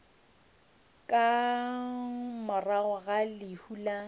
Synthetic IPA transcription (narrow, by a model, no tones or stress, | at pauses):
kʼa | mʊraɣʊɣalɪhuːla